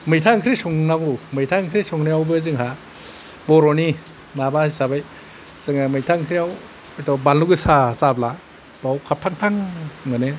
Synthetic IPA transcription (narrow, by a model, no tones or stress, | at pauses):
mɯjtʰaŋkʰɾisɔŋnaŋumɯjtʰaŋkʰɾisɔŋniawbɯzɯŋɦa | bɔɾɔni | nabahisabaj | sɯŋamɯjtʰaŋkʰɾijaw | ajtɔbalnuɡɯsasabla | b̥awkʰap̚tʰaŋtʰaŋmɯne